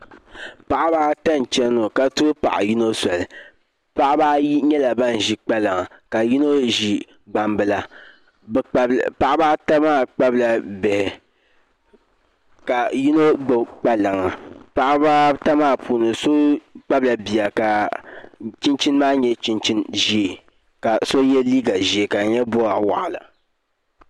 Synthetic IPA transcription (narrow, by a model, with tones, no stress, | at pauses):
pa˨ʔa˦baː˦ta˦n˨t͡ʃɛ˦no˨ka˨tʊ˦pa̰˨ʔa̰˨ji˦no˦sa˨lɨ˨ | pa˦ʔbaː˦ɲɛ˦la˨ba˦n˨ʒi˦k͡pa˦la˨ŋa˨ka˨ji˦no˦ʒi˨ | ɡ͡ba˨mbɨ˨la˦˨˦ | pa˨ʔa˦baː˦ta˦maː˦˨k͡pa˦bla˨bɪ˨hɪ˨ | ka˨ji˦no˦ɡ͡bɨ˨k͡pa˦la˨ŋa˨pa˨ʔa˦ba˦ta˦maː˦˨pʰuː˨nɨ˨so˦k͡pa˦bla˨bi˨a˨ka˨ | t͡ʃi˦nt͡ʃi˦n˦maː˦ɲɛ˦t͡ʃi˦nt͡ʃi˦nʒi˦e˨ | ka˨so˦jɛ˦liː˦ɡa˨ʒi˨e˨ka˨ɲɛ˦bo˦a˨wa̰˨ʔa˨la̰˨